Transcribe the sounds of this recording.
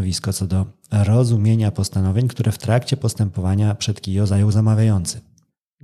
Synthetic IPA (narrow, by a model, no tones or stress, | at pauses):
vʲiskɔt̪sɔd̪ɔ | ɾɔzumʲjeɲapɔst̪anɔvʲjeɲkt̪uɾʔɛft̪ɾakt͡ɕɛpɔst̪ɛmpɔvaɲapʂɛt̪kʲijɔzajɔwzamavʲjajɔnt̪sɘ̥